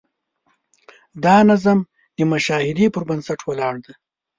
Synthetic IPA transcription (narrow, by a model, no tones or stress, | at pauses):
d̪ɑːnazam | d̪əmaʃɑːhɪd̪ipəɾbansaʈʰwalɑːɽd̪a